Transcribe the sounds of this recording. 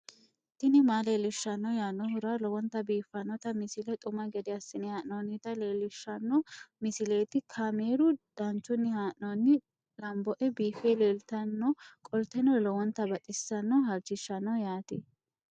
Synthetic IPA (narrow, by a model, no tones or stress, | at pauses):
t̪ɪnɪmaːleːlɪʃːɐnːɔjaːnːɔhʊɾalɔwɔnt̪ːɐbiːfːɐnːɔt̪ɐmɪsɪlɛt̪ʼʊmɐɡɛd̪ɪɐsːɪnɪhaːʔnoːnːɪt̪ɐleːlɪʃːɐnːɔmɪsɪle̞ːt̪ɪkʰameːɾʊd̪̥ɐnt͡ʃːʊnːɪhaːʔnonːɪ | lɐmbɔʔɛbiːfeːleːlt̪ɐnːɔkʼɔlt̪ɛnɔlɔwɔnt̪ːɐbɐt̪ʼɪsːɐnːɔhɐɾd͡ʒɪʃːɐnːɔjaːt̪ɪ